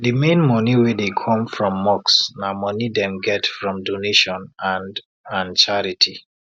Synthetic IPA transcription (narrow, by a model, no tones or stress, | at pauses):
dɨmẽnmɔniwedekʰɔ̃mfɹɔ̃mːɔksnamɔnidɛ̃mɡɛtfɹɔ̃mdoneʃɔ̃nãnd | ãnt͡ʃaɹitʰi